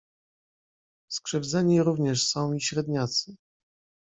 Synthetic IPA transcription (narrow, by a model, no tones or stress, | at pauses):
skʂɛvd̪zɛɲiɾuvɲɛʂsɔ̃w̃iɕɾɛd̪ɲat̪sɘ